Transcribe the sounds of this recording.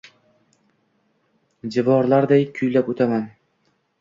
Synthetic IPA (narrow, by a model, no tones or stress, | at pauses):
d͡ʒɪvɒɾlˠaɾd̪ajkʲʰʊjlapɵt̪ʰaman